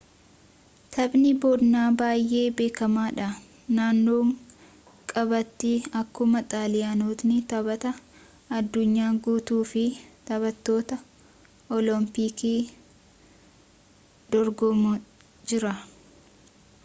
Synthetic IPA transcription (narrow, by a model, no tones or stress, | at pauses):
t̪ʰɐbnɪbod̪naːbaːjʔe̞ːbe̞ːkɐmaːᶑɐ | naːnːoːŋ | kʼɐbɐt̪ːɪɐkːʊmɐt̪ʼaːlɪjaːnuːt̪nɪt̪ɐbɐt̪ɐ | ɐd̪ːʊɲːaːɡuːt̪uːfɪt̪ɐβɐt̪ːo̞ːt̪ɐ | ɔlɔmpiːkiː | d̪̥ɔɾɡɔmʊ | d͡ʒɪɾɐ